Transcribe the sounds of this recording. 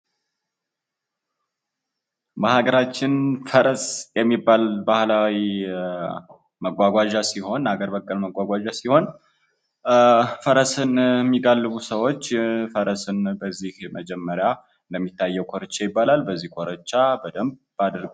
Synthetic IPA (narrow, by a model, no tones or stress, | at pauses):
məhaɡəɾat͡ʃːɪnfəɾəsjɛmːibːalbahlawi | məɡʷaɡʷaʒasiho̞naɡəɾbəkʼːəlməɡʷaɡʷaʒasiho̞n | fəɾəsɨnmːiɡalːɨβusəwo̞t͡ʃːfəɾəsɨnbəzːihməd͡ʒɛmːəɾja | ɨnd̪əmːit̪ʰːajːɛwkʰoɾət͡ʃːɛjɪbːalalbəzːihkʰʷʼoɾət͡ʃːabəd̪əmbbad̪əɾɡ